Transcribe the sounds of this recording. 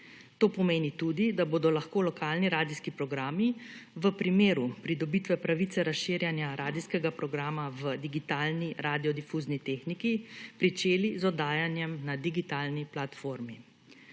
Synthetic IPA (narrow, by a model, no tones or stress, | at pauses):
t̪oːpɔmeːnit̪ud̪id̪aboːd̪ɔlaxkoːlɔkʰaːlniɾaːd̪iskipɾɔɡɾaːmiʋəpɾimeːɾupɾid̪ɔbit̪ʋɛpɾaʋit̪sɛɾasʃɪːɾjanjaɾaːd̪iskɛɡapɾɔɡɾaːmaʋəd̪iɡit̪aːlniɾaːd̪iɔd̪ifuːznit̪eːxnikipɾit͡ʃeːlizɔd̪aːjanjɛmnad̪iɡit̪aːlniplat̪foːɾmi